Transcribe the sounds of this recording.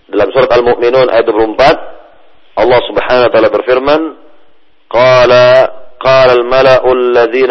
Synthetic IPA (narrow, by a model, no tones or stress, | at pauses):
d̪ɪlːabɪnsuːɾˤɑt̪almʊʔmɪnuːnʔa̰jd̪bɾʊmbat̪̚ | ʔɑlˤːɑːsʊbħaːnanwat̪aːlabɪɾfɪɾman | qɑːlaqɑːlalmalaʔʊalːaðiːn